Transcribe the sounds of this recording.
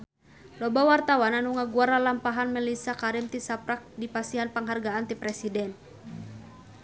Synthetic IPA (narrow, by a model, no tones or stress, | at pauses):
lɔbawart̪awananuŋaɡuaɾalampaɦanmɛlisakaɾimt̪isapɾak̚dipasiɦanpəŋɦarɡaːnt̪ipɾɛsidɛn